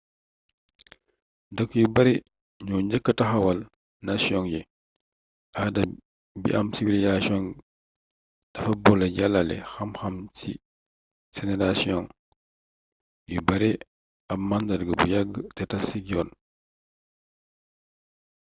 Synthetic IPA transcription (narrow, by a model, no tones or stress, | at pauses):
dɐkjubɐɾi | ɲuːɲɟəkːətɐxɐwɐl | nasjɔŋji | ʔadɐ | bḭʔɐmsivilizasijɔŋ | d̥ɐfɐbɔlɐɟalːɐlɛ̰xɐmxɐmsḭ | sɛnɛɾasiɔŋ | jubɐɾi | ɐp̚mandɐdɡəbṵjaɡːətɛtɐsiɟɔːn